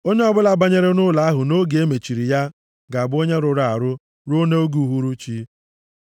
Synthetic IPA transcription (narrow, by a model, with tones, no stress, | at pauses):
o˦ɲe˦ɔ˦bʊ˦la˨ba˦ɲe˦ɾe˦nʊ˦la˨˦a˦ɦʊ˨no˦ɡe˦me˨t͡ʃi˨ɾi˨ja˦ | ɡa˨bʊ˦o˦ɲe˦ɾʊ˨ɾa˨ɾʊ˦ | ɾo˦ne˦o˦ɡu˨˦ɦu˦ɾu˦t͡ʃi˦